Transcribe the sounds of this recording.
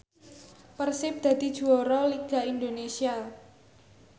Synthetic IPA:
pərsɪp̚d̪̥ä̤d̪̥id̥ʒ̥uɔɾɔliɡ̥a̤ind̪onesia

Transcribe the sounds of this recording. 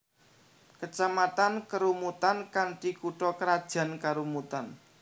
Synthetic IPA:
kət͡ʃamat̪ankəɾumut̪ankanʈikuʈɔkəɾad̥ʒ̥a̤nkaɾumut̪an

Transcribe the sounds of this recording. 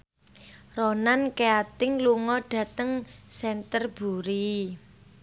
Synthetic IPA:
ronankeat̪ɪŋluŋɔɖ̥ä̤t̪əŋsɛnt̪ərb̥ṳɾi

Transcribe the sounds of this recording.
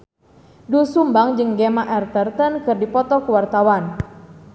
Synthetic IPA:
dusumbaŋd͡ʒɨŋɡemaʔɛrt̪ərt̪ənkɨrdipɔt̪ɔkəwart̪awan

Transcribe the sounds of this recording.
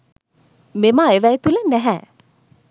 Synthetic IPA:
memaeʋæjt̪ulənæɦɛ

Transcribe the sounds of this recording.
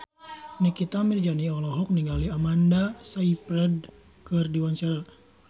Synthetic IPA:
nikit̪amird͡ʒaniɔlɔɦɔk̚niŋɡaliamandasaipɾɛd | kɨrdiwaɲt͡ʃaɾa

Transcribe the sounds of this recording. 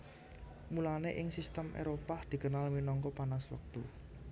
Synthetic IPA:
mulaneʔɪŋsist̪əmʔḛɾopad̪̥i̤kənalminɔŋkɔpanaswə̰k̚t̪u

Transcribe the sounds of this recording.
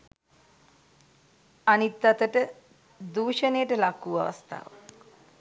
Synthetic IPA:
anit̪ːat̪əʈə | d̪uːʃənejəʈəlakuʋa̰ʋa̰st̪a̰ːʋa̰k

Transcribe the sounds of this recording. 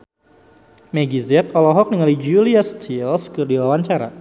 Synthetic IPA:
meɡizɛt̪ɔlɔɦɔk̚niŋalid͡ʒuliast͡ʃilskɨrdiwawaɲt͡ʃaɾa̰

